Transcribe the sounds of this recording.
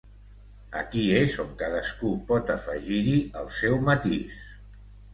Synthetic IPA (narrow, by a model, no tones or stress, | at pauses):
ə̰kiezoŋkaðəskupɔt̪əfəʒiɾiəlˠsɛwmət̪is